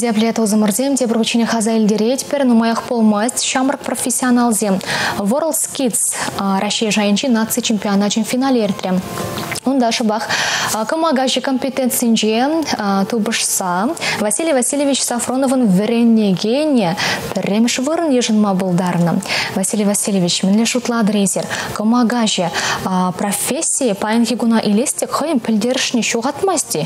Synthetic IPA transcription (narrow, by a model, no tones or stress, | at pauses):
d̪ʲiaplʲet̪ozəmʊɾzʲemt̪ʰʲebɪɾʁət͡ʃenʲeχɑzɑɪld̪eɾet̪ʲpɪɾnumɑjɑqbolˠmɑsʲt̪ʲʃɑmərəq̚pro̞fʲesʲːionalˠzʲemvoɾəlˠt̪skʲit̪sɾʔɑʃijaʒɑjənʃenat̪sɨjt͡ʃʰemʲpʲionat̪ʒenʲfʲinalʲeeɾt̪ɪɾʲemwond̪ɑʃʊbɑqkʰomɑɡaʒikʰo̞mʲpʲet̪ent̪sɨjnʃet̪ʰubəʂsɑvasʲilʲjvasʲilʲevʲit͡ʃsafro̞novənvʲeɾʲenʲːeɡʲenʲijeb̥ʰɪɾʲemʃvəɾənjeʒənmɑbolˠd̪ɑɾnə̰vasʲilʲijvasʲilʲevʲit͡ʃmɪnlʲeʂut̪əlˠɑd̪əɾezʲeɾkʰomɑɡaʒeprofʲesʲːijəpʰɑjɪnɡʲeɡʊnɑʔelʲesʲt̪ʲekχojəmpʲʰɪlʲd̪e̞ɾɪʃɪneʃuʁɑt̪mɑst̪ʲe